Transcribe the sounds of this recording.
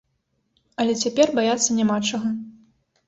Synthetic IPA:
ɐlʲɛt͡sʲapʲɛrbajat̪sːɐnʲamat͡ʂɐɣɐ

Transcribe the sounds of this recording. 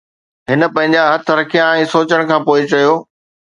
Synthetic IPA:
ɦɪnə̆pɐ̃ɦɪ̃ɲd͡ʑaɦɐt̪ʰɾɐkʰijãɛ̃ːsoːt͡ɕəɽ̃kʰãːpoːɪt͡ɕɐjoː

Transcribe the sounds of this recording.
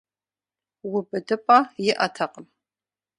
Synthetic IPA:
wʊbɨdɨpʼajɪʔɐtʰɐqʼəm

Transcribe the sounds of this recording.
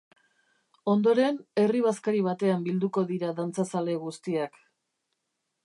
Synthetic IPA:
o̞nd̪o̞ɾe̞ne̞riβ̞askaɾiβ̞at̪e̞ambild̪uko̞ðiɾaðant͡sasale̞ɣust̪iak

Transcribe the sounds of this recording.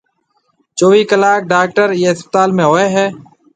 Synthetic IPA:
t͡ʃoːʋiːkəlaːk̚ɖaːk̚ʈəɾjeːɪspət̪aːlmẽːɦoːeːɦɛː

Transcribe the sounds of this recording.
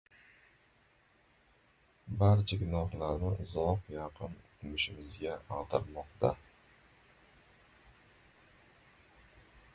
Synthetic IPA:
baɾt͡ʃʰaɡʲɪnɒhlˠaɾnɪzoqjɑqʰɨnkʰʊmʊʃɪmɪzɡʲaɑʁt̪ʰɑɾmɒqt̪a

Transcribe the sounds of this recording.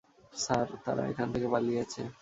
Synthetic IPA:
saɾt̪a̰ɾa̰ḛkʰant̪ʰekebalijet͡ɕʰḛ

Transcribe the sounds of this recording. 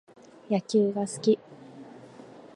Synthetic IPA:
jakʲɨːɡasɨ̥kʲi

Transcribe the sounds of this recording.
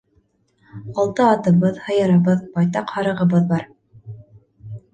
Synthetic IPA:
ɑlˠt̪ɤɑt̪ɤ̆βɤðhɤ̆jɤ̆ɾɤ̆βɤðbɑjt̪ɑqhɑɾɤ̆ʁɤ̆βɤðbɑɾ

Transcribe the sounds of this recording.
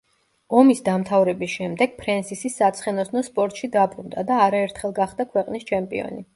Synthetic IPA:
ɔmisd̪amt̪ʰavɾɛbisʃɛmd̪ɛɡ̥̚pʰɾɛnsisisːat̪sʰχɛnɔsnɔspʼɔɾt̪ʼʃid̪abɾund̪ad̪aːɾaɛɾt̪ʰχɛlˠɡaχd̪akʰwɛqʼnist͡ʃʰɛmpʼḭɔ̰ni

